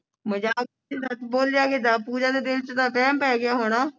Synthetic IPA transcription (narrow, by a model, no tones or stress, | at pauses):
məd͡ʒaː | isət̪boːlɪjaːɡed̪aːpuːd͡ʒaːd̪eːd̪ɪlt͡ʃət̪ãːpʰɛːmpɛːɡɪjaːɦoːɽaː